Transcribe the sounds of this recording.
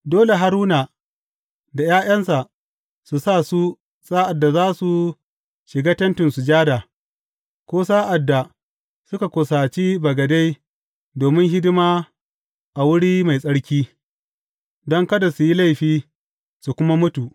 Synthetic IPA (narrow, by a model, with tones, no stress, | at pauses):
doː˦le˨ɦa˨˦ɾuː˦na˨ | da˨jaː˦j̰ɐ˦nsa˨ | su˨saː˦˨su˦ | saː˦ʔa˨dːa˨zaː˦su˨ | ʃɪ˨ɡaː˦tɐ˦ntɪ˨nsu˨d͡ʒaː˦da˨ | kʷoː˦saː˦ʔa˨dːa˨ | sʊ˦ka˨kʷʊ˨saː˨t͡ʃiː˦bɐ˨ɡɐ˨da˦j | doː˨mɪ˦ŋɦɪ˦dɪ˦maː˦ | ʔa˨wʊ˦ɽiː˦ma˨jsʼɐ˦ɽkʲiː˦ | dɔ˦ŋkɐ˦da˨su˨ji˦la˦jɸiː˦ | su˨kʷʊ˦ma˦mʊ˦tu˨ʔ